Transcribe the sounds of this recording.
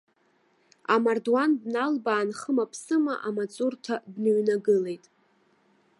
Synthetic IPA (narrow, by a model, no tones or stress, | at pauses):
amardwanbnalbaːnχəmapʰsɨma̰ʔamat͡sʼʊrtʰabnɨɥnaɡɨle̞jtʼ